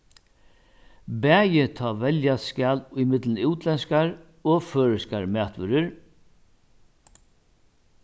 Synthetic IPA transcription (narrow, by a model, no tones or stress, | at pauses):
bɛːjɪt̪ʰɔːvɛljaskɛːlʊjmɪt̪lənɪwt̪lɛnskaɾ | ɔføːɹɪskaɹmæːht̪ʋʏɾɪɾ